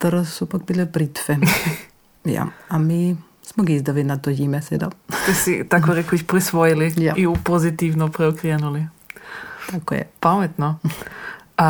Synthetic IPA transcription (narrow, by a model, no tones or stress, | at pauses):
t̪əɾasupakbilɛbɾit̪fɛ | ja̰ami | smoɡiizd̪aʋinat̪oimɛsɛd̪at̪ɛsit̪akoɾɛkoiçpɾisʋojilijaiupozit̪ivnopɾɛɔkɾɛnuli | t̪ako̰jɛ̰pamɛt̪no